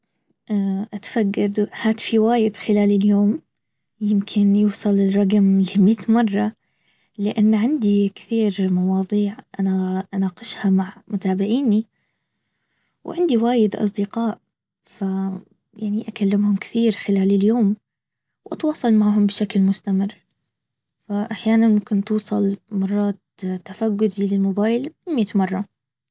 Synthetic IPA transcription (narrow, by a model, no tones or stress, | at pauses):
ʔaʔat̪faɡːɑd̪haːt̪ɪ̥fiwaːjɪd̪xɪlaːlɪljoːm | jɪmkʰɪnjuːsˤɑlɪlɾˤɑɡmlimit̪mɑrˤːɑ | lɪʔanːʕand̪ikθiːɾmɑwɑːd̪ˤiːʕʔanaʔanaːqɑʃhamaʕmʊt̪aːbɪʕiːni | wʕɪnd̪iwaːjɪd̪ʔɑ̰s̬ˤd̪ɪqɑːʔ | fa | jaʕniʔakalːɪmhʊmkɪ̥θiːɾxɪlaːlɪljoːm | wʔɑt̪wɑːsˤɑlmaʕɦʊmbɪʃaklmʊst̪amɪrː | faʔaħjaːnanmʊmkɪnt̪uːsˤɑlmɑrˤːɑːt̪t̪ːafaɡːʊd̪ilɪlmʊbaːjlmjat̪mɑrˤːɑ